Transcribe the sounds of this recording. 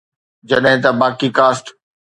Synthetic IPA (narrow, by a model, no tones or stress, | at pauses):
d͡ʑɐɗɦɪ̃t̪ɐbaːkikaːsʈ